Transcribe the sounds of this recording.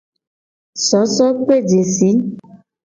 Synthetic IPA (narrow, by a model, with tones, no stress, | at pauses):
sɔ˨˦sɔ˦k͡pe˦˨d͡ʒe˨si˨˦